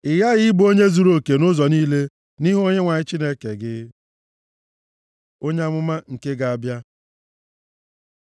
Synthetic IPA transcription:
ɪ˨ja˦ɣɪ˦bo˦ɲe˦zu˨ɾo˨ke˨nʊ˦zɔ˨niː˦le˦ | ni˦ɦo˦ɲe˦ŋʷa˨ɲɪ˦t͡ʃi˦ne˦ke˨ɡɪ˦ | o˦ɲe˦a˦mʊ˦ma˦ŋ̩˨ke˦ɡa˨a˨bja˦

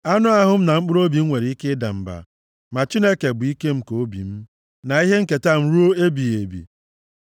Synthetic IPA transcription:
a˦nʊ˦a˦ɦʊ˦m̩˦na˨ŋ͡m̩˦k͡pʊ˦ɾo˦bi˨˦ŋʷe˨ɾi˨i˦ke˦da̰˨m̩˨ba̰˨ | ma˨t͡ʃi˦ne˦ke˨bʊ˨i˦ke˦m̩˦ko˨˦bḭ˨m̩˦ | na˨i˦ɦe˦ŋ̩˦ke˨ta˦m̩˦ɾu˦o˦e˦bi˨e˨bḭ˨

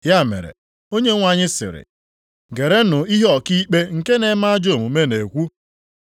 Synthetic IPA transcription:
ja˦˨mḛ˨ɾḛ˨ | o˦ɲe˦ŋʷa˦ɲɪ˦sɪ̰˨ɾɪ̰˨ | ɡe˨ɾe˦nʊ˨i˦ɦɔ˨ki˦k͡pe˦ŋ̩˨ke˦ne˨˦ma˦a˦d͡ʒo˦˨mu˨me˦ne˨kʷu˦

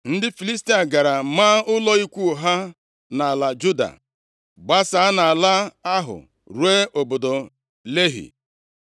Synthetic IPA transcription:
n̩˦dɪ˦fi˨li˦s̬ti˦a˨ɡa˨ɾa˨maː˦ʊ˦lɔ˦i˦kʷu˦˨ɦa˦ | na˨a˨la˨d͡ʒu˦da̰˨ | ɡ͡ba˦sa˨˦a˦na˨a˨la˦a˦ɦʊ̰˨ | ɾwe˦o˨bo˨do˨ | le˦ɦḭ˨

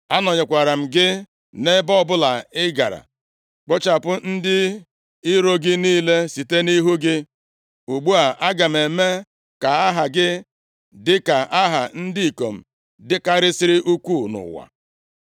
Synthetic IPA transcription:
a˦nɔ˨ɲɪ˨kʷa˨ɾa˨m̩˨ɡɪ˦ | ne˦bɔ˦ɔ˨bʊ˦la˨ɪ˦ɡa̰˨ɾa̰˨ | k͡pɔ˦t͡ʃa˨pʊ˦n̩˦dɪ˦ | ɪ˦ɾo˦ɡɪ˦niː˦le˦si˨te˦ni˦ɦu˦ɡɪ˦ | u˨ɡ͡bu˦a˨ʔa˦ɡa˨m̩˨e˨me˦ | ka˨a˦ɦa˨ɡɪ˦ | dɪ˦ka˨ʔa˦ɦa˨n̩˦dɪ˦i˨ko˨m̩˨ | dɪ˦ka˦ɾɪ˦sɪ˦ɾɪ˦ʔu˦kʷu˦˨nʊ̰˨wa̰˨

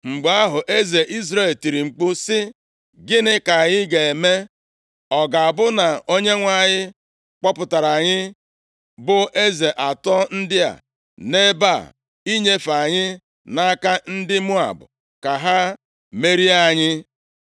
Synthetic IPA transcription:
ŋ͡m̩˨ɡ͡ba˦ɦʊ˨ʔe˦ze˨ʔi˦zɾe˦˨lti˨ɾi˨ŋ͡m̩˨k͡pʊ˦sɪ˦ | ɡɪ˦nɪ˦ka˨ɲɪ˦ɡe˨e˨me˦ | ɔ˨ɡa˨a˨bʊ˦na˨o˦ɲe˦ŋʷa˦˨ɲɪ˦ | k͡pɔ˦pʊ˨ta˨ɾa˨ɲɪ˦ | bʊ˦ʔe˦ze˨ʔa˨tɔ˦n̩˦dɪ˦a̰˨ | ne˦ba˦˨ | i˦ɲe˦fa˨ɲɪ˦ | na˦ka˦n̩˦dɪ˦mu˦a̰˨bʊ̰˨ | ka˨ɦa˦ | me˦ɾi˦a˦ɲɪ˦

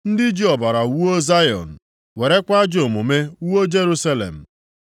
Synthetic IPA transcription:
n̩˦dɪ˦d͡ʒi˦ɔ˨ba˨ɾa˨wu˦o˦za˦jɔ̰˨n̩˨ | we˨ɾe˦kʷa˦d͡ʒo˨mu˨me˦wo˦d͡ʒe˦ɾu˦sa˦lḛ˨m̩˨

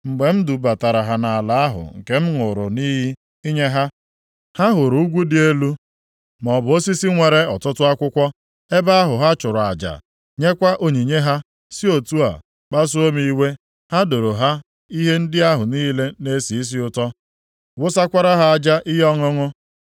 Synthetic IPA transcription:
ŋ͡m̩˨ɡ͡be˨m̩˦du˨ba˨ta˨ɾa˨ɦa˨na˨a˨la˨a˦ɦʊ̰˨ŋ̩˨ke˦m̩˦ŋʊ˨ɾʊ̰˨niː˦ɦi˦ | i˦ɲe˦ɦa˦ | ha˦ɦʊ˨ɾu˨˦u˦ɡʷu˦dɪ˦e˦lu˦ | mɔ˨bʊ˨o˦si˦si˦ŋʷe˨ɾe˨ɔ˨tʊ˦tʊ˦a˦kʷʊ˦kʷɔ˦ | e˦ba˦a˦ɦʊ˨ɦa˦t͡ʃʊ˨ɾʊ˨a˨d͡ʒa̰˨ | ɲe˦kʷa˦ʔo˦ɲi˨ɲe˦ɦa˦ | si˦o˨tu˦a̰˨ | k͡pa˦s̬ʊ˦o˦mi˦i˦we˦ | ha˦do˨ɾo˨ɦa˦ | i˦ɦe˦n̩˦dɪ˦a˦ɦʊ˨niː˦le˦ne˦si˨i˦s̬i˦ʊ˦tɔ˦ | wʊ˦sa˦kʷa˦ɾa˦ɦa˦a˨d͡ʒa˦ʔi˦ɦɔ˦ŋʊ˦ŋʊ˦

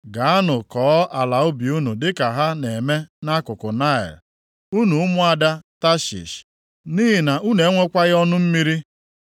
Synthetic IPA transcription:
ɡa˨a˦nʊ˨kɔː˨˦ʔa˨la˨ʊ˦bi˨u˦nu˨dɪ˦ka˨ɦa˦ne˨me˦na˦kʊ˨kʊ˨na˦ɪ̰˨l | u˦nu˨ʊ˦mʊ˦a˨da˦ta˦ʃḭ˨ʃ | niː˦ɦi˨na˨ʔu˦ne˨˦ŋʷe˦kʷa˦ɣɔ˦nʊ˦m̩˦mi˦ɾi˦

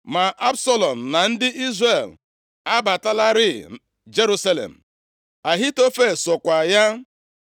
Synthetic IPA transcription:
ma˨ʔa˦bsɔ˦lɔ˨m̩˨na˨n̩˦dɪ˦ʔi˦zre˨l | a˦ba˨ta˦la˦ɾɪ˦ | d͡ʒe˦ɾu˦sa˦lḛ˨m̩˨ | a˨ɦi˦to˦fe˦˨sɔ˨kʷa˨ja˦

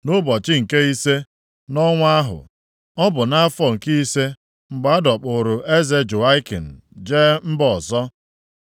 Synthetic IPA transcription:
nʊ˦bɔ˨t͡ʃɪ˦ŋ̩˨ke˦i˦se˦ | nɔ˦ŋʷ˦a˦ɦʊ̰˨ | ɔ˦bʊ˨na˦fɔ˦ŋ̩˨ki˦i˦se˦ | ŋ͡m̩˨ɡ͡ba˨a˦dɔ˨k͡pʊ˨ɾʊ˨ʔe˦ze˦d͡ʒʊ˨a˦ɪ˦ki˨n̩˨d͡ʒe˦m̩˦bɔ˨zɔ˦

